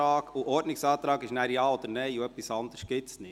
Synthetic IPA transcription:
ɑːɡ̥uʔɔɾdnɪksɑːt̪ɾɑːɡɪʃnæːɾjɑːod̪əɾnɛɪoœpːisɑnd̪əɾsɡ̥ɪtsnɪ

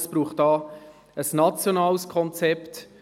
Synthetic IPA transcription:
spɾuːχtɑː | əsnɑt͡sjonɑːlskʰɔnt͡sɛpt

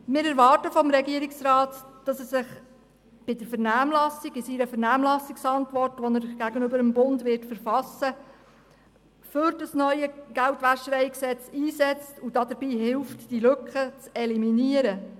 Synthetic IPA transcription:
mɪːɾæɾʋɑːrtəfɔmɾɛɡiəɾɪksɾɑːtd̥ɑsɛsɪχ | b̥ɪdəɾfəɾnæːmlɑsiɡɪsiɾəfəɾnæːmlɑsiksɑntʋɔrtʋɔnəɾɡ̥æɡənʏbəɾəmbʊndʋɪɾtfəɾfɑsːə | fʏɾdɑsnœʏəɡ̥æltʋæʃəɾɛɪksɛt͡siːsɛt͡stud̥ɑdəɾbiːɦɪlftd̥ilɵkχət͡sɛliminiəɾə

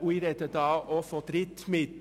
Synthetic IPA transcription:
ʉːɾɛt̪ət̪ɑːʋoːfod̪ɾɪt̪mɪd̪

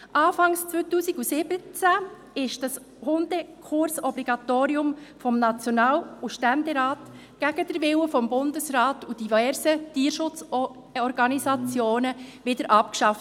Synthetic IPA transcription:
ʔɑːfɑŋst͡sʋøːtuːsiɡusɪb̥ət͡sæ | ɪʃd̥ɑs | hʊndəkʰʊɾsɔbliɡɑt̪oːɾiʊmfɔmnɑt͡sjɔnɑːluʃtændɛɾɑːt | ɡ̥æɡ̥əd̥əɾʋɪwəfɔmbʊndəsɾɑːtud̥ivɛːɾsətiːɾʃʊt͡s | ɔɾɡɑnisɑt͡sjoːnəʋɪdəɾʔɑpkʃɑft

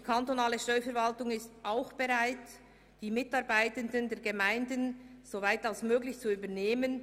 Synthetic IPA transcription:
dikʰantonaːləʃtœʏfɛɐɾvaltʊŋɪstaʊxb̥ɛʁaɪt | d̥iːmɪtɑʁbaɪtəndəndɛːɐɡemaɪndənz̥ovaɪtalsmøːɡlɪçt͡suyːbəneːmən

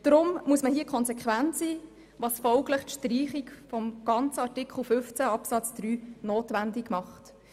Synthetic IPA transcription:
d̥ɾʊmmuəsməhiːəkʰχɔnsekχʋæntsiː | ʋɑːsfɔʊɡləχtʃtɾiːχikfɔmɡ̥ɑnt͡səɑɾtɪkʰχl̩ˠfʏft͡sæɑpsɑt͡sd̥ɾyːnoːtʋændɪɡmɑχt

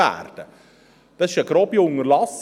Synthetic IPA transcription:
æ̰ːrd̥ə | d̥ɑsɪʃəɡ̥ɾɔbjʊŋəɾlɑs

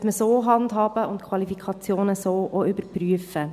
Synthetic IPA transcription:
tməsoːɦɑndɦɑːb̥əʊntkʰwɑlifikʰɑt͡sjoːnəsoːʔoʏbəɾpryəfə

